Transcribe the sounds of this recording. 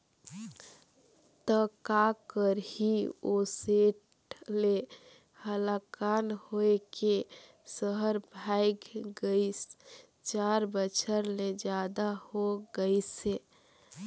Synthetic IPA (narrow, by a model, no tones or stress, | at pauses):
t̪əkakəɾhioseʈ | le | həlakanhoeke | səɦəɾbʱajɡɡəis | t͡ʃaɾbət͡ʃʰəɾled͡ʒjad̪ahoɡəjse